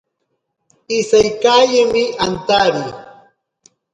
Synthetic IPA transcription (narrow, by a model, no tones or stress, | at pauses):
ɪsajkajɪmɪʔant̪aɾij